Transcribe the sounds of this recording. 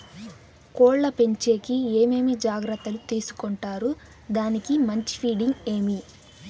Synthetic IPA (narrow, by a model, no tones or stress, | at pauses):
kɔːɭːɐpe̞ɲt͡ʃe̞ːkieːme̞ːmid͡ʒaːɡɾɐt̪ːɐlut̪iːsu̥koɳʈaːɾu | d̪aːnikimɐɲt͡ʃi̥pʰiːɽiŋɡeːmi